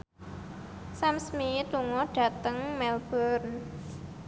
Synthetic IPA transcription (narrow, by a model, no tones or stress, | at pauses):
samsmit̪uŋɔɖ̥ä̤t̪əŋmɛlb̥ɔrn